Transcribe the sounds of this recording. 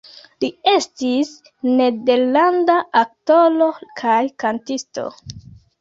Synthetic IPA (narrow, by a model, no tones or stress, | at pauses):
lie̞stis | ne̞de̞ɾlandaʔak̚tolo̞kʰajkantisto̞̰